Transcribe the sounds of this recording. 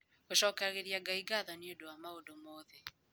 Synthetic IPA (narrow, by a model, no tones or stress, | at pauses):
koʃɔːkɛɣeɾiaɡaiɡaðaniodowamaodomoːðe